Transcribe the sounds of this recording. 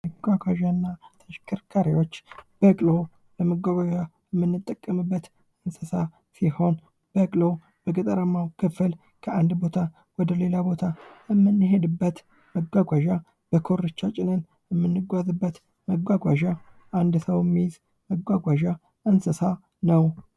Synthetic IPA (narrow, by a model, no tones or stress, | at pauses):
məɡʷaɡʷaʒanːat̪ʰəʃkʰɨɾkʰaɾiwo̞t͡ʃːb̥əkʼlo̞ | bəməɡʷaɡʷaʒajɛmːɨnːɨt̪ʼːəkʼːəmɨbːət̪ | ɨnsəsa | siho̞n | b̥əkʼlo̞ | b̥əɡɨt̪ʼəɾəmːawkʰəfɨl | kʰəand̪bo̞t̪ʰa | wɔd̪əle̞labo̞t̪ʰaɛmːɨnːɨɦed̪ɨbːət̪ | məɡʷaɡʷaʒa | b̥əkʰo̞ɾɨt͡ʃːat͡ʃʼɪnɨn | jɛmːɨnːɨɡʷazɨbːət̪ | məɡʷaɡʷaʒaʔand̪səwɛmːijz | məɡʷaɡʷaʒa | ʔənsəsa | nəw